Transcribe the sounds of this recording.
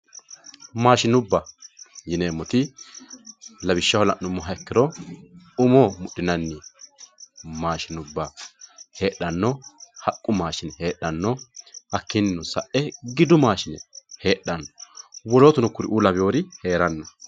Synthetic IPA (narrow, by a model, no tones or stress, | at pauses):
maːʃɪnʊbːɐjɪneːmːɔt̪ɪ | lɐbɪʃːɐhɔlɐʔːʊmːɔɦɐɛkːɪɾɔ | ʊmomʊɗːɪnɐnːɪ | maːʃɪnʊbːɐhe̞ːɗɐnːɔhɐkʼːʊmaːʃɪnhe̞ːɗːɐnːɔɐkːɪnːɔsɐʔɛɡɪd̪ʊmaːʃɪnɛhe̞ːɗːɐnːɔwɔloːt̪ʊnɔkːʊɾɪʔuːlɐbɪjoːɾɪhe̞ːɾɐnːɔ